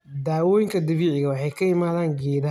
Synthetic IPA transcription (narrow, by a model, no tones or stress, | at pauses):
d̪aːwɔːjɪŋkʰɐd̪ɐβiːʕɪɣɐwɑħɑjkʰɐɪmaːðaːŋɡɛːd